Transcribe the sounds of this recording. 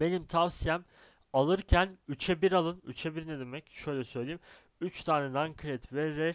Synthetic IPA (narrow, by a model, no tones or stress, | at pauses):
b̥e̞nimt̪ʰavsijɛm | alˠɯɾcʰænyt͡ʃʰɛbiɾalˠɯnyt͡ʃʰɛbiɾinɛd̪e̞mɛcʃø̞jlʲɛsø̞jlʲejim | yt͡ʃt̪ʰaːnɛnaŋkʰɾɛt̪vɛɾɛ